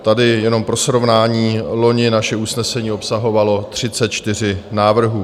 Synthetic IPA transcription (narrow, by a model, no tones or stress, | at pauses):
t̪adɪjɛno̞mpɾo̞sɾo̞vnaːɲiːlo̞ɲɪnaʃɛusnɛsɛɲiːo̞psaɦo̞valo̞t̪r̝̥ɪt͡sɛt̪̚t͡ʃt̪ɪr̝ɪnaːvr̩ɦuː